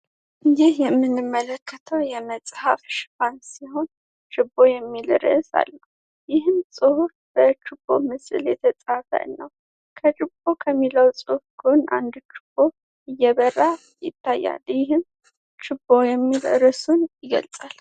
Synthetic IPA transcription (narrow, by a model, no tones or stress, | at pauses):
jɪhjɛmːɨnɨmːələkʰːət̪ʰəwjɛməsʼhafʃɨ̥fansiɦo̞n | t͡ʃʼɪbːo̞jɛmːilɨɾɨsa̰lːə | jɪhɨmsʼɨhufbət͡ʃʼɪbomɨsɨljɛt̪ʰət͡sʼafə̰ʔnːəw | kʰət͡ʃʼɪbo̞kʰəmːiləwt͡sʼɨfɡona̰nd̪t͡ʃɪ̥b̥o | ɨjːɛβəra | jɪ̰t̪ʰːajːa̰ljɪhɨm | t͡ʃʼɪbːojɛmːilɨɾɨsunjɪɡə̰lt͡sʼal